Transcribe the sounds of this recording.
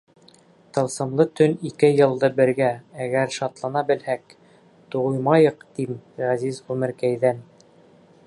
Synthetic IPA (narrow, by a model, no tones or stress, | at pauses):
t̪ɤ̆lˠsɤ̆mlˠɤt̪ɵnikɘjɤ̆lˠd̪ɤbɘ̆ɾɡææɡæɾʃɑt̪lˠɑnɑbɘ̆lhæk̚ | t̪uʁujmɑjɤqt̪imʁæzizʁʉmɘ̆ɾkæjðæn